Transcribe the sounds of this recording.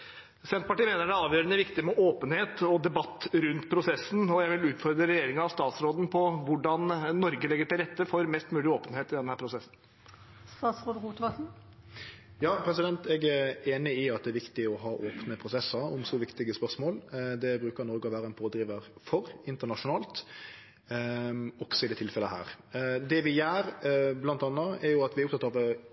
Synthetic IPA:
sɛnt̪pɑʈiːmeːnəɖɛɑːʋjøːɾənəʋɪkt̪ɪmɛʔoːpənheːt̪ɔd̪ɛbɑt̪ːɾʉnt̪pʰɾʊsɛsːn̩ɔjæɪʋɪlʉːt̪fɔɾd̪ɾəɾɛjeːɾɪŋɑɑʋst̪ɑːt̪sɾoːd̪n̩pʰɔʋʊɖɑnnɔɾɡəlɛɡəʈɪlɾɛt̪ːəfɔɾmɛst̪mʉːlɪoːpənheːt̪ɪd̪ɛnəhæːɾpʰɾʊsɛsn̩ | st̪ɑːt̪sɾoːd̪əʁuːt̪ʋɑsn̩ | jɑːpʰɾɛsɪd̪ɛnt̪ɛɡæɾeːnɪɪɑt̪̚d̪ɛæɾʋɪkt̪ɪɔɦɑːʔoːpnəpʰɾʊsɛsəɔmsɔʋɪkt̪ɪɡəspœʁsmoːld̪ɛbɾʉːkəɾnɔɾɡəɔʋæːɾəɛnpʰoːd̪ɾiːʋəɾfɔɾɪnt̪əʁɳɑʂʊnɑːlt̪ | ɔɡ̥sɔɪd̪ɛːt̪ʰɪlfɛləɦæ̰ːɾ | d̪ɛʋɪjæːɾblɑnt̪ɑnːəɛɾjʊɑt̪ʋɪæɾʊp̚t̪ɑt̪ɑʋ

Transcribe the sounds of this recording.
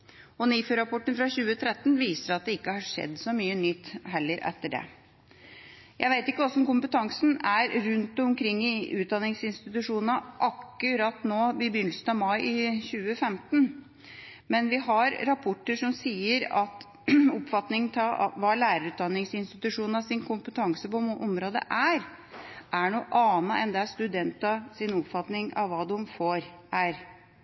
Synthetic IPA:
ɔniːfəɾɑpʰɔʈːənfɾɑɕʉːət̪ʰɾɛt̪ːnʋiːsəɾɑt̪̚d̪ɛɪkːəhɑʂɛ̰d̪ːsɔmyːənʏt̪ːɦɛlːəɾʔɛ̰t̪ːəɖɛ̰ | jʔæɪʋæɪt̪ɪkːəɔsːɔɔmkʊmpət̪ʰɑŋsn̩æɾɾʉnt̪ɔmkʰɾɪŋːɪʉːt̪̚d̪ɑnːɪŋsɪnst̪ɪt̪ʉʂuːnnəʔɑkːʉɾɑt̪noːbɪbʏnlsn̩ɑʋmɑɪɪɕʉːəfɛmt̪n | mɛnʋɪɦɑɾɾɑpʰɔʈːəʂɔmsiːəɾɑt̪ | ɔpfɑt̪nɪŋənt̪ʰɑ̰ʋɑːlæːɾəɾʉːt̪̚d̪ɑnːɪŋsɪnst̪ɪt̪ʉʂuːnɑsɪnkʰʊmpət̪ʰɑŋsəpɔʔɔmɾoːd̪ə̰ʔæɾ | ʔæɳuːʔɑːnəʔɛnd̪ɛæʂt̪ʉd̪ɛnt̪ɑsɪnɔpfɑt̪nɪŋɑ̰ʋʋɑːd̪ʉmfoːɾʔæɾ

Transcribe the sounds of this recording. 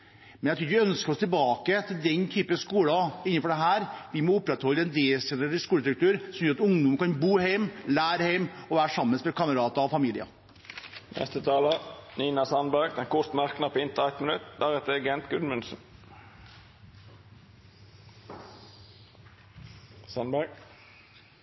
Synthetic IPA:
mɛnjæt̪ʰʉːɾʋɪœnskəɾɔst̪ʰɪlbɑːkət̪ʰɪld̪ɛnt̪ʰyːpəskuːlɑɪnːənfɔɖɛɦæːɾʋɪmɔʊpɾɛt̪hɔlːəɛnd̪eːsɛnəɪskuːləd̪ɾʉkt̪ʉːɾsɔmjøːɾɑt̪ʊŋd̪ʊməkɑnbuːhæɪmlæːɾəhæɪmɔʋæːɾʂɑmːənsmɛlkʰɑməɾɑːt̪ɑɔfɑmiːlɪɑ̰ | nʔɛ̰st̪ət̪ʰɑːləniːnɑsɑnbæɾɡd̪ɛnkʰʊt̪mæʁknɑpʰːɪnt̪əɛt̪mənʉt̪d̪æɾɛt̪əɡɛnt̪ɡʉnmʉnsn̩ | sɑnbæɾɡ

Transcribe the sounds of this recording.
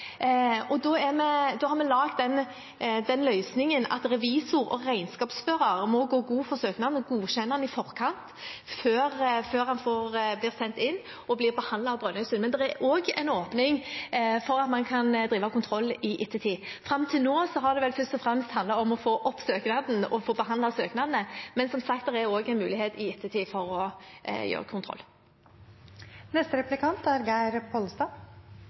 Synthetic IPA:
ɔd̪ɔæɾmɛd̪ɔhɑɾmɛlɑːɡt̪̚d̪ɛn | d̪ɛnlœʏsnɪŋənɑ̰t̪ɾɛʋiːsʊɾɔ̰ɾæɪnskɑːpsfœɾɑɾmɔɡoːɡuːfɔɾsøːknɑd̪ɡuːɕɛnːəɑnɪfɔɾkʰɑnt̪føːɾføːɾhɑnfoːɾbliːɾsɛnt̪ɪnː | ɔblɪːɾbəhɑnd̪ɑɑbɾœnœʏsənmɛnd̪ɛæɾʔoːɡɛ̰ɪnoːpnɪŋfɔɾɑt̪mɑnkʰɑnd̪ɾiːʋɑkʊnt̪ʰɾɔlːɪʔɪt̪ʰːət̪ʰiːfɾɑmt̪ʰɪlnoːsɔɦɑd̪ɛʋɛlfœʁst̪ɔfɾɛmst̪hɑnd̪lɑɔmɔfoːʔɔpsøːknɑd̪n̩ɔfoːbəɦɑnd̪lɑsøːknɑd̪nəmɛnsɔmsɑk̚t̪d̪ɛɾɛjoːɡɛɪnmʉːlɪheːt̪ɪɪt̪ʰːət̪ʰiːfɔɾɔjø̰ːʁəkʰʊnt̪ʰɾɔ̰lː | nɛst̪əɾɛplɪkʰɑnt̪æɾɡæɪɾpʰɔlst̪ɑː

